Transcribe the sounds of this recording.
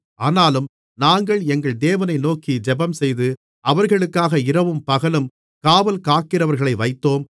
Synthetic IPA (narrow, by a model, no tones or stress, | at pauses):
aːnaːlɯm | naːŋɡɐɭɛŋɡɐɭd̪eːʋɐnɐɪnoːkid͡ʒɛbɐmsɛjðɯ | ɐʋɐɾɣɐɭɯkːaːɣɐɪɾɐʋɯmpɐɣɐlɯm | kaːʋɐlkaːkɪrɐʋɐɾɣɐɭɐɪʋɐɪt̪ːoːm